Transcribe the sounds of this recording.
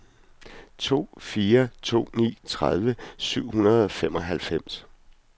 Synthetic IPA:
t͡sʰo̝̰ːfiːɐt͡sʰo̝̰ːnḭːt͡sʰʁað̞ˠʋəsyʊ̰hunɐðˠɒ̽fem̰ɒ̽ɦælfem̰s

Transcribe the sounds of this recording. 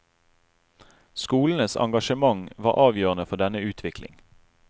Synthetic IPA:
skuːln̩əsɑ̰ŋɡɑʃəmɑŋʋɑ̰ːʁʔɑːʋjøːʁənəfɔd̪ɛnəʉːt̪ʰʋɪklɪ̰ŋ

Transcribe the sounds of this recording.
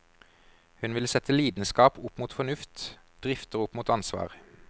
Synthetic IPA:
hʉnʋɪlsɛt̪ʰəliːd̪nskɑːpʊpmuːt̪fɔnʉft̪ | d̪̥ʁɪft̪əʁʊpmuːt̪ɑnsʋɑ̰ːʁ

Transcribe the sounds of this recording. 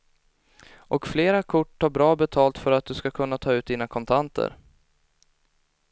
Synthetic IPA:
ʔɔkfleːɾakʰʊʈʰːɑːɾbɾɑːbɛt̪ʰɑːlt̪fœɾat̪̚d̪ɵskakʰɵnːat̪ʰɑːʉ̟ːt̪̚d̪iːnakʰɔnt̪ʰant̪ʰə̰ɾ

